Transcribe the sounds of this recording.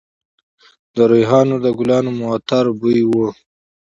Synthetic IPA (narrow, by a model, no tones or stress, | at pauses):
d̪əɾujɦɑːnod̪əɡulɑːnomuat̪aɾbujwo